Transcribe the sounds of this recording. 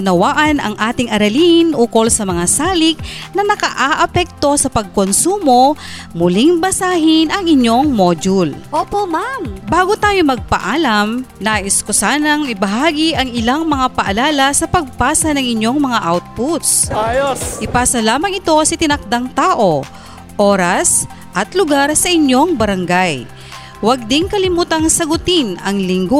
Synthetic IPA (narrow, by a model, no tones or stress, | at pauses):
ʊnɐwaːʔɐnɐ̰ŋʔaːt̪ɪŋʔɐɾɐlinʔuːkolsɐmɐŋasaːlɪk̚nɐnɐkɐʔaʔɐpɛk̚t̪o̞sɐpɐɡ̚konsuːmo̞mʊliŋbɐsaːɦɪnʔɐŋɪɲjo̞ŋmoːd͡ʒʊlʔoːpomambaːɡot̪aːjomɐɡ̚pɐ̰ʔaːlɐmnaːʔɪskosaːnɐŋɪbɐɦaːɡiʔɐŋɪlaŋmɐŋapɐʔɐlaːlɐsɐpɐɡ̚paːsɐnɐŋɪɲjo̞ŋmɐŋaʔawt̪̚put̪sajoʔɪpaːsɐlaːmɐŋɪt̪o̞sɐt̪ɪnɐk̚d̪aŋt̪aːʔo̞ | ʔoːɾɐs | ʔɐt̪lʊɡaɾsɐʔɪɲjo̞ŋbɐɾɐŋɡaj | wɐɡ̚d̪ɪŋkɐlɪmuːt̪ɐŋsɐɡʊt̪ɪnɐŋlɪŋɡo